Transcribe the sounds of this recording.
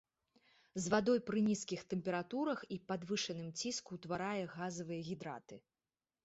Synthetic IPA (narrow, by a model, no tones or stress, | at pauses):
zvad̪ɔjpɾɨnʲiskʲixt̪ɛmpʲɛɾat̪uɾɐxipad̪vɨʂɐnɨmt͡sʲiskut̪vaɾajɛɣazɐvɨjɐɣʲid̪ɾa̰t̪ɨ